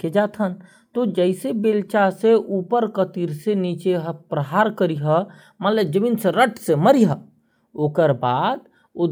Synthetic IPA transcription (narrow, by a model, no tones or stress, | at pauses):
ked͡ʒaːt̪ʰɦən | t̪od͡ʒəɪsebeːlt͡ʃaseʔuːpəɾkət̪iɾseniːt͡ʃeɦəpɾəɦaːɾkəɾiɦə | mət̪ləb̚d͡ʒəminseɾəʈʰseməɾiɦə | oːkəɾbaːd̪ | ʊ